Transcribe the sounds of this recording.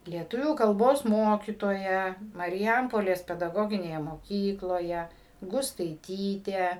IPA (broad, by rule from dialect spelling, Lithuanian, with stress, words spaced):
lʲiɛˈtʊʋʲuː kɐlˠˈboːs ˈmoːkʲiːtoːjɛ mɐrʲɪˈjɛmpoːlʲeːs pʲɛdɐˈɡoːɡʲɪnʲeːjɛ moːˈkʲiːklˠoːjɛ ɡʊstɐɪˈtʲiːtʲeː